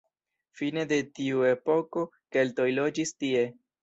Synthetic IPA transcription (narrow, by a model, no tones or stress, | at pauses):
fine̞de̞tiue̞po̞ko̞ | ke̞lto̞jlo̞d͡ʒistie̞